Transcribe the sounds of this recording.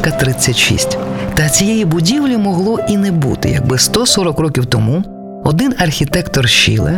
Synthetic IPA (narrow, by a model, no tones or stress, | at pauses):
kɐt̪ɾɪt͡sʲːɐtʲʃḭsʲtʲt̪ɐt͡sʲijɛjibʊdʲiwlʲimɔɦlˠɔʔinɛbṵt̪ɪ̰jɐ̰ɡ̚bɪst̪ɔsɔɾɔkɾɔkʲiwt̪ɔmu | ɔd̪ɪnɐrxʲit̪ɛkt̪ɔrʃḭlˠɪ̰